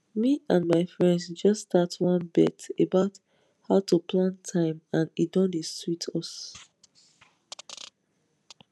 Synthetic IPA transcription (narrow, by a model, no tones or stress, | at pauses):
miãnmaɪfɹɛ̃ndsd͡ʒʌstatwɔ̃nbɛ̰tebaʊt | haʊtupʰlãntʰãɪ̃mãnidɔ̃niswitʰɔs